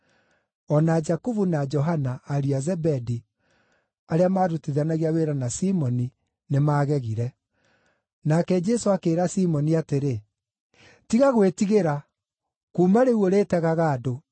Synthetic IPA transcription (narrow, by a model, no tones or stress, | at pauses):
ɔnad͡ʒakuvunad͡ʒɔɦanaːɾiazɛbɛdi | aɾeamaːɾutiðanaɣiaweɾanasimɔni | nemaːɣɛɣiɾɛ | nakɛd͡ʒɛsoakeːɾasimɔniateɾe | tiɣaɣwetiɣeɾa | kuːmaɾeuoɾeːtɛɣaɣaːdo